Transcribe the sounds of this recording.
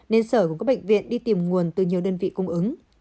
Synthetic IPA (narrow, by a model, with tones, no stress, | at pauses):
ne˧nsəː˧˩kkɔ˨˦ɓa̰˧˨jŋ̟vḭ˧˨ənɗi˧t̪i˨˩mŋu˨˩ənt̪ɨ˨˩ɲi˨˩əwɗəː˧nvḭ˧˨kʊ˧ŋ͡mʔɨ˨˦ŋ